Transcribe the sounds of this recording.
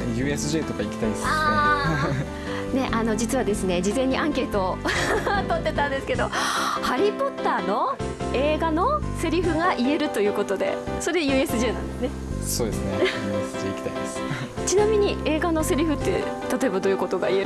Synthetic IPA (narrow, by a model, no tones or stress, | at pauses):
jɯ̟ːesɨʑe̞ːt̪o̞kaikʲi̥t̪aiesaː | ne̞ʔano̞d͡ʑit͡sɨβad̪e̞sɨne̞d͡ʑizẽ̞ɲ̟ːiʔãŋke̞ːt̪o̞ː | t̪ot̪ːe̞t̪ãnd̪e̞sɨ̥ke̞d̪o̞haɾʲipo̞t̪ːaːno̞ | e̞ːɡano̞se̞ɾʲiɸɯ̟ɡaʔie̞ɾɯ̟t̪o̞jɯ̟ːko̞t̪o̞d̪e̞̰soɾejɯ̟ːe̞sɨʑeːnãnd̪esɨne | soːd̪esɨneesɨʑeːikʲi̥t̪aid̪esɨ̥ | t͡ɕinamʲiɲ̟ie̞ːɡanose̞ɾʲiɸɯ̟t̪ːe̞ | t̪at̪o̞e̞bad̪o̞jɯ̟ko̞t̪o̞ɡaie̞ɾ